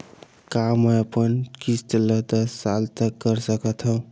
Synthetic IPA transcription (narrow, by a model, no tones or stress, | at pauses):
kamʌəpənkisʈ̪lət̪əsalt̪əkːəɾsəkət̪ʰɦow